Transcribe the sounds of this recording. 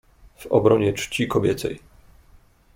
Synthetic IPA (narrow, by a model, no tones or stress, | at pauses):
v̥ɔ̰bɾɔɲɛt͡ʂt͡ɕikɔbʲjɛt̪sɛ̰j